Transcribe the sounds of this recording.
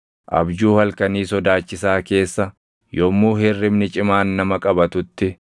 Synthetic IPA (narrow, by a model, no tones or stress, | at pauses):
ʔɐ̰bd͡ʒuːhɐlkɐniːsɔd̪aːt͡ʃːɪsaːke̞ːsːɐ | jɔmːuːhɛrːɪmnɪt͡ʃʼɪmaːnːɐmɐkʼɐbɐt̪ʊt̪ːɪ